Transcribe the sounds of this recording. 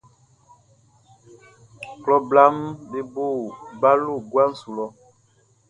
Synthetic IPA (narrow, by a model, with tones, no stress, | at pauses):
klɔ˦bla˦mbe˦bo˦˨ba˦lo˦˨ɡwa˦n̩˦˨su˨lɔ˦